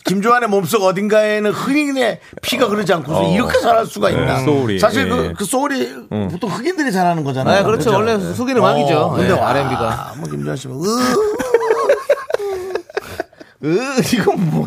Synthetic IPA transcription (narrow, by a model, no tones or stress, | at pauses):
kimd͡ʑuɦanemoms͈ʌɡʌdinɡaenɯnhɯɡine̞ | pʰiɡakɯɾɯd͡ʑiankʰosiɾʌkʰe̞sʰaɾɦaɭs͈uɡainnaoɾisʰaɕ̬iɭkɯkɯs͈oɾi | potʰoŋhɯɡindɯɾit͡ɕaɾanɯnɡʌd͡ʑanakɯɾʌt͡ɕʰowʌɭːesʰoɡinɯmaɡid͡ʑoɯndeaɾeia̰mwʌkimd͡ʑuɦaɕ̬ʰimʌɯ | ɯiɡʌnʌ